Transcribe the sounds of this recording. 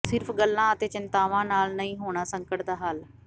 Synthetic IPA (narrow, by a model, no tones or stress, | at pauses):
sɪɾpʰɡəlːãːət̪eːt͡ʃɪnt̪aːʋãːnaːlnəĩːɦoːɽ̃aːsə̃ŋkəʈd̪aːɦaːl